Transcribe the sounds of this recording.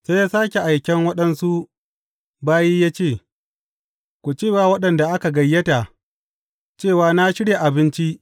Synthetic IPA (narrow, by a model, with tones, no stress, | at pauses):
se˦jaː˦saː˦kʲe˨ʔa˨jkʲɛ˦ŋwɐ˦ɗɐ˦nsu˦ | baː˦jiː˦jaː˦t͡ʃeː˦˨ | kʷu˨t͡ʃeː˦˨waː˨wɐ˦ɗɐ˨nda˨ʔa˦ka˨ɡɐ˨jːɐ˦ta˨ | t͡ʃeː˦˨waː˨na˦ʃɪ˦ɽje˨ʔa˨bɪ˦nt͡ʃi˦ʔ